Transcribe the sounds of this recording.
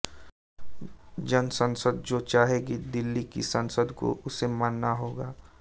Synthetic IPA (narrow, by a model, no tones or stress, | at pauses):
d͡ʒənsə̃nsəd̪̚d͡ʒoːt͡ʃaːɦeɡid̪ɪlːikḭsə̃nsəd̪ko̰ʔʊsemaːnːaɦoːɡaː